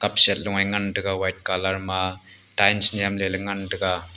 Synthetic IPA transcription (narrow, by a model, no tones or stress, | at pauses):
kap̚set̚luŋajŋandɯɡawajt̚kalaɾma | dajnsnijamlelɐŋandɯɡa